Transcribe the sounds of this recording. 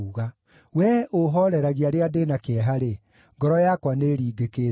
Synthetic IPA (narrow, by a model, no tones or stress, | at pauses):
uɣa | wɛʔoɦɔɾɛɾaɣiaɾeadenakeɛɦaɾe | ŋɡɔɾɔjakwaneɾiːɡeke